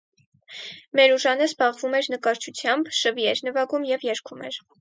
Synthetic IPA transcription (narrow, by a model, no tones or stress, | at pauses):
mɛɾuʒɑnəzbɑʁvumɛɾnəkɑɾt͡ʃʰut͡sʰjɑmbʃəviɛɾnəvɑɡumjɛvjɛɾkʰumɛ̰ɾ